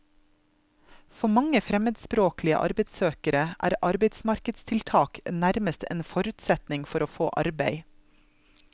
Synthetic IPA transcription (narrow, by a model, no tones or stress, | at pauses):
fɔmɑŋəfɾɛməd̪spɾoːklɪə̰ʔɑ̰ɾbɛɪd̪søːkəɾəʔæ̰ːɾʔɑɾbeɪd̪smɑɾkəd̪st̪ʰɪlt̪ʰɑːknæɾməst̪ʰḛːnfɔɾʉːt̪sɛt̪nɪŋfɔɾoːfo̰ːʔɑ̰ɾbeɪ